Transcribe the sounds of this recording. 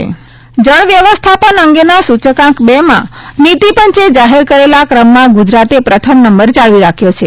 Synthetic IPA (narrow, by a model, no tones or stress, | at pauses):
d͡ʒəɳ̃ʋjəʋəst̪ʰapənəŋɡenasut͡ʃəkãkbemã̰nit̪ipənt͡ʃed͡ʒaɦeɾkəɾelakɾəmːãɡud͡ʒɾat̪epɾət̪ʰəmnəmbəɾt͡ʃaɭʋiɾakʰjot͡ʃʰe